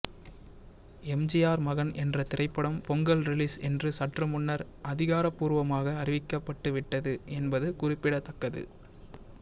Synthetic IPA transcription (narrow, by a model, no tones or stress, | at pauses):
ɛmd͡ʒɪjaːɾmɐɣɐnɛndrɐt̪ɪrɐɪpːɐɽɐmpɔŋɡɐlɾɪliːsɛndrɯsɐʈrɯmʊnːɐɾ | ʔɐðɪɣaːɾɐpːuːɾʋɐmaːɣɐːrɪʋɪkːɐpːɐʈːɯʋɪʈːɐðɯʔɛnbɐðɯkʊrɪpːɪɽɐt̪ːɐkːɐðɯ̰